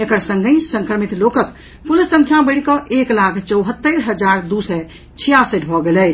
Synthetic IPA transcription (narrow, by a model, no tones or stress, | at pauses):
ekəɾsə̃ŋɡəsə̃ŋkɾəmit̪lokək | pulisːə̃ŋkʰjabəɽ̤kɔʔeklakʰt͡ʃəwɦət̪ːəɾɦəd͡ʒaɾd̪usɛ | t͡ʃʰijasəʈbʱɔɡelɛt͡ʃʰ